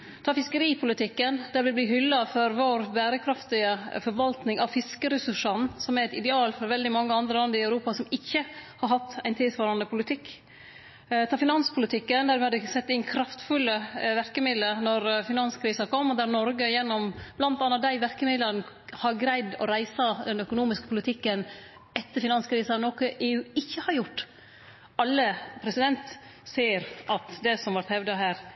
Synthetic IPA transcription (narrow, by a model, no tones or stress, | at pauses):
t̪ʰɑːfɪskəɾiːpʰʊlɪt̪ʰɪkːənd̪æɾʋɪlbliːɦʏlːɑfɔɾʋoːɾbæːɾəkʰɾɑft̪ɪəfɔɾʋɑlt̪nɪŋɑʋfɪskəɾɛsʉʂːɑnsɔmæɾɛt̪ɪd̪ɛɑːlfɔɾʋɛld̪ɪmɑŋːəɑnd̪ɾəlɑnd̪əɾɪɑʉɾuːpɑsɔmɪçːəhɑɾhɑt̪ːæɪnt̪ʰɪlsʋɑːɾɑnəpʰʊlɪt̪ʰɪkː | t̪ʰɑːfɪnɑnspʰʊlɪt̪ʰɪkːənd̪æɾʋɪɑd̪əsɛt̪ːɪnkʰɾɑft̪fʉlːəʋæɾkəmɪd̪lənɔɾfɪnɑnskʰɾiːsɑkʰɔmːd̪æɾnɔɾɡəjɛnːɔmb̥lɑnt̪ɑnːɑd̪æɪʋæɾkəmɪd̪ləɾn | hɑɾɡɾæɪd̪ɔ̰ɾæɪsɑd̪ɛnœkʊnuːmɪskəpʰʊlɪt̪ʰɪkːən | ɛt̪ːəɾfɪnɑnskʰɾiːsɑnoːkəʔeːʉːɪçːəhɑɾjʊʈː | ʔɑlːəpʰɾɛsɪd̪ɛnt̪ | seːɾʔɑt̪d̪ɛsɔmʋɑɾt̪hɛʋd̪ɑɦæːɾ